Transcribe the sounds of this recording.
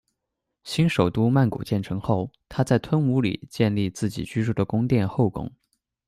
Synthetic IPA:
ɕi˥nʂo˨˩ʊt̪u˥ma˥˩nkṵ˨˩t͡ɕjɛ˥˩nʈ͡ʂʰɤ˧˥ŋxo˥˩ʊt̪ʰa˥t͡sa˥˩ɪt̪ʰwə˥nu˧˥lḭ˨˩t͡ɕjɛ˥˧nli˥˧t͡sɹ̩˥˩t͡ɕḭ˨˩t͡ɕy˥ʂu˥˩d̪ə˩kʊ˥ŋt̪jɛ˥˧nxo˥˩ʊkʊ̰˥ŋ

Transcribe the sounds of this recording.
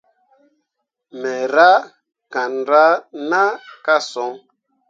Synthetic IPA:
mɛ˨ɾa˦ | ka˨nɾa˦na˦ka˦sɔ˨˦ŋ

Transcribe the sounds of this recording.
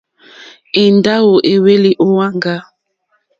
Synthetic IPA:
i˨nda˦wo˨ʔe˨we˦li˨ʔo˦wa˦ŋɡa˦

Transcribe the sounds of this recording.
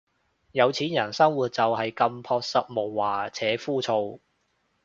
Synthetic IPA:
jɐ˨˧wt͡sʰiː˨˥njɐ˨˩nsɐ˥ŋwuː˨˩t̚t͡sɐ˨wɦɐ˨jkɐ˧mpʰɔː˧k̚sɐ˨˥t̚mo˨wːaː˨t͡sʰɛː˨˥fuː˥t͡sʰo˧w

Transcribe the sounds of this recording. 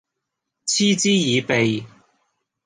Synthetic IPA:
t͡sʰiː˥t͡siː˥jiː˨˧pe˨j

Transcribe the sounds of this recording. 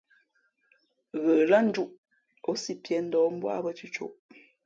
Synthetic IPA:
ɣə˨la˦n̩˦d͡ʒu˦ʔ | o˨˦si˦pjɛ˨˦n̩˦dɔ˨˦m̩˦bwa̰˦bə˦t͡ʃʉ˦t͡ʃo̰˦˨ʔ

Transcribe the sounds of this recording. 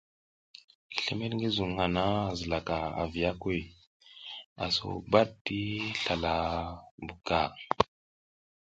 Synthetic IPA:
ɬe˦me˦tŋɡi˦zu˨ŋha˨na˦˨zə˨la˨ka˨a̰˨vi˨a˦ke˦˨ | a̰˨so̰˦ba˦d̚ti˦ɬa˨la˨bu˨ka˨

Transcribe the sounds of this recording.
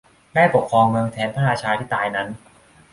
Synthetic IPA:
daː˥˩jpo˨˩kʰːɾɔː˧ŋmɯ˧əŋt̪ʰɛː˩˦npʰaː˥˩aː˧t͡ɕʰaː˧t̪ʰiː˥˩t̪aː˧jna˦˥n

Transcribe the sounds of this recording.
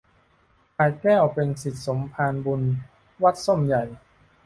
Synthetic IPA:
kʰaː˧jkɛː˥˩wpe˧nsi˨˩t̪̚so˩˦mpʰaː˧nbu˧n | wa˦˥˩t̪̚so˥˩mja˨˩j

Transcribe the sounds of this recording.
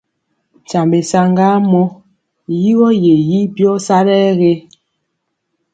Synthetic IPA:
t͡ʃa˨mbe˨sa˦ŋɡa˦mɔ˦ | ji˦ɣɔ˦je˨ji˦bjɔ˦sa˦ɾɛː˦ɣe˦

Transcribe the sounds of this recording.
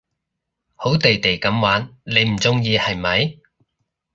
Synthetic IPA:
ho˨˥wt̪e˨jt̪e˨˩jkɐ˨˥mwaː˨˥nle˨˧jm̩˨˩t͡sʊ˥ŋjiː˧hɐ˨˩jmɐ˨˧j

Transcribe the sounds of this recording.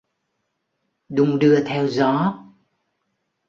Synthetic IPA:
ɗʊ˨˧˦ŋ͡mɗɨ˧ət̪ʰɛ˧wzɔ˨˦

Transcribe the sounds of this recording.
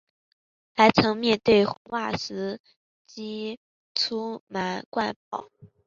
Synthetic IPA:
xa˧˥ɪt͡sʰɤ˧˥ŋmjɛ˥˧nt̪we˥˩ɪxwa˥˩sɹ̩˧˥ | t͡ɕi˥ | t͡sʰu˥ma˧˥nkwa˥˩npɑ̰˨˩˦

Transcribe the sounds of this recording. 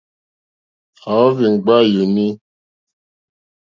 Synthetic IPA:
a˨ɔ˦vi˨ŋ̩˨ɡ͡ba˦ju˨ni˦

